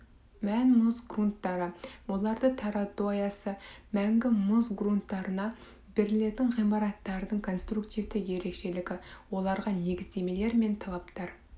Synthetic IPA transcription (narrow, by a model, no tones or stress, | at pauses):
mænmʊzɡrunt̪ːɑɾəwo̞lˠɑɾd̪ət̪ʰɑɾɑd̪ojɑsəmæŋɡʲɪmʊzɡrunt̪ːɑɾənɑ | bɪɾɪle̞ɾd̪ɪŋʁijmɑɾɑt̪ːɑɾəd̪əɴkʰo̞nst̪ɾukt̪ijvt̪ɪje̞ɾe̞kʃe̞lɪɡʲɪwo̞lˠɑɾʁɑne̞ɡʲɪzd̪e̞me̞le̞ɾme̞nt̪ʰɑlˠɑpt̪ɑɾ